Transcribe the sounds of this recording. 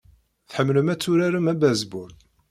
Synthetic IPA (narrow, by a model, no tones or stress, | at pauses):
θħəmːləmæt͡sːuɾæɾəmæbæzbʊɾ